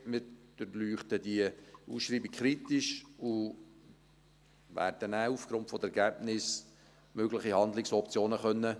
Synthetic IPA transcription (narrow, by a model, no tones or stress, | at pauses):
mɪd̥əɾlyːχt̪əd̪iəusʃɾiːbikχɾit̪ɪʃu | ʋæ̰ːɾdənæːufɡ̥ɾʊntfɔdəɛɾɡæbnɪs | møɡlɪχihɑnd̪lɪksɔpt͡sjoːnəχœnːə